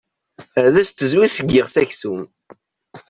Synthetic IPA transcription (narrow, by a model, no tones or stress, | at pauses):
æðæst̪ːəzwisəɡːɪʁsæçθum